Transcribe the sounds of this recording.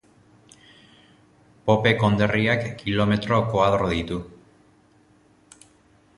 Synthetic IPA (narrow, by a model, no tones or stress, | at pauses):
popeko̞nd̪eriakːilomet̪ɾokoaðɾoðit̪u